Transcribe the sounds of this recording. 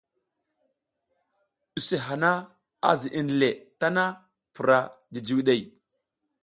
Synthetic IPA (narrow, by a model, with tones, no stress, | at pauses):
ɗi˨se˨ɦa˨na˦ | a̰˦zi˨ʔi˨n˨le˨ta˦na˦ | pu˨ɾa˨di˨d͡ʒi˨wi˦ɗe˦˨j